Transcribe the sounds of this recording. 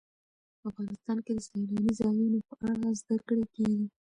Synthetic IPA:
afɣɑnɪst̪ɑnked̪əsalɑnizɑjunopəʔaɽazd̪akɽekeɡi

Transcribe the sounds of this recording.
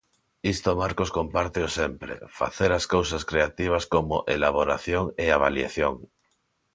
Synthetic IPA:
ist̪omaɾkoskompaɾt̪eosempɾḛfa̰θeɾaskawsaskɾeat̪iβ̞askomo̰ʔelaβ̞oɾa̰θjoŋeaβ̞alja̰θjoŋ

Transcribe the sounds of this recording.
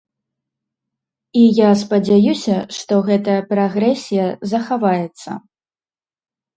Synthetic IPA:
ijaspɐd͡zʲajusʲɐʂt̪ɔɣɛt̪ɐjɐpɾaɣɾɛsʲijɐzɐxavajɛt̪sːɐ̰

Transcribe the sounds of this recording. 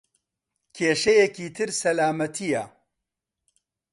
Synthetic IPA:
kʰeːʃɐjekiːt̪ʰɨɾsɐlaːmɐt̪ʰijɐ̰

